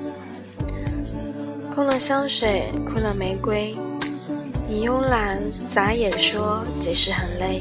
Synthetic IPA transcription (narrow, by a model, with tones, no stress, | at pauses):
kʊ˥˧ŋlə˨ɕjɑ˥ʊʂwe˨˩ɪkʰu˥lə˨me˧˥ɪkwe˥ɪ | ni˨˩jʊ˥ŋla˧˥n | t͡sa˧˥jɛ˨˩ʂwɔ˥t͡ɕɛ˨˩ʂɻ̩˥˩xə˨˩nle˥˩ɪ